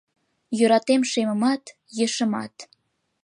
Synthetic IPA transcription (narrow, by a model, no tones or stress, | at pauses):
jøɾɑt̪emʃemə̆mɑt̪ | jə̆ʃə̆mɑ̰t̪